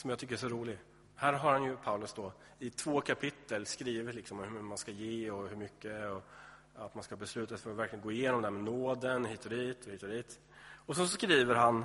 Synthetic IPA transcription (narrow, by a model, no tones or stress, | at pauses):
sɔmjat̪ʰʏkːəɾɛʂ̬ɔɾuːlɪɡ | hæːɾɦaɾhanjɵpʰaʊlɵsd̪ɔ | ɪt̪ʰvoːkʰapʰɪt̪ːəlskɾiːvɪt̪lɪksɔmɔmhɵɵmanskajeːɔhɵɾmʏkːəɔ | at̪manskabɛslʉ̟ːt̪afœɾɔvæɾklɪɡənɡoːɪjeːnɔmd̪ɛhæmɛnoːd̪ənhiːt̪ɔd̪iːt̪ʰɔiːt̪ɔd̪iːt̪ | ɔsɛnsɔskɾiːvəɾɦan